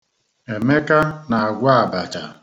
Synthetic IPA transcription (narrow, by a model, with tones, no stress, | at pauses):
e˨me˦ka˦na˨a˨ɡʷa˦a˨ba˨t͡ʃa˨